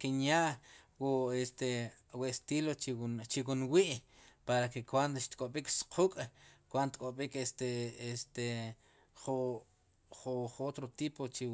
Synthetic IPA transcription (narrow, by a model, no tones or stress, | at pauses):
kinjaʔwuest̪e | west̪ilot͡ʃt͡ʃiwunwiʔpaɾakekwand̪oʃt̪kʼoɓiksqʰukʼkwand̪ot̪kʼoɓikest̪eest̪e | χu | χuχot̪ɾot̪iːpot͡ʃi